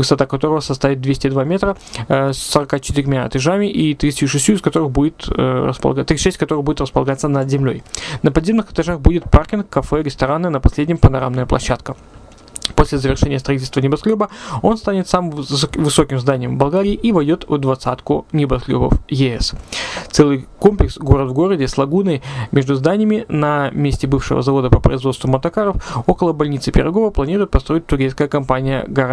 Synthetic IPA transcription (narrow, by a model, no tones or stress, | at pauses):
vɨst̪ɐt̪akɐt̪o̞ɾəvəsɐst̪avʲɪt̪̚d̪vʲesʲtʲɪd̪vamʲe̞t̪ɾəsːəɾɐkat͡ɕɪ̥t̪ɪɾʲmʲaɐ̰t̪ɐʐamʲɪʔit̪ɾʲit̪tʲuʂɨsʲtʲjuɪskɐt̪o̞ɾɨxbudʲɪt̪ə̰spə̰t̪ɾʲiʂɛsʲtʲkɐt̪o̞ɾɨɣbudʲɪt̪rəspəlˠɐɡat̪sənəd̪zʲɪmlʲo̞̰jnəpɐd̪zʲemnɨxɨ̥t̪ɐʐaxbudʲɪt̪̚parkʲɪnkːɐfɛɾʲɪst̪ɐɾanːɨnəpɐsʲlʲedʲnʲɪmpənɐɾamnəjəplˠɐ̰ɕːat̪kə | posʲlʲɪzəvʲɪrʂɛnʲɪjəst̪ɾɐitʲɪlʲst̪vənʲɪbɐsklʲubəo̞nst̪anʲɪt̪samɨmvɨso̞kʲɪmzd̪anʲɪjəmvbɐlˠɡaɾʲɪːʔivɐjdʲo̞t̪vd̪vɐt̪sat̪kʊnʲɪbɐsklʲo̰bə̰fjɪɛst̪sɛlˠɨjko̞mplʲɪksɡo̞ɾət̪vɡo̞ɾədʲɪslˠɐɡunəjmʲe̞ʐd̪ʊzd̪anʲɪjəmʲɪnɐmʲesʲtʲɪbɨfʂɨ̰və̰zɐvo̞d̪əpəpɾə̰ɪzvost̪vʊmɐt̪ɐkaɾəfo̞kəlˠəbɐlʲnʲit̪sɨpʲɪ̰ɾɐɡo̞vəplˠɐnʲiɾʊjɪt̪̚pɐst̪ɾo̞ɪt̚ʲt̪ːʊɾʲejskəjəkɐmpanʲɪjə̰ɡɐɾa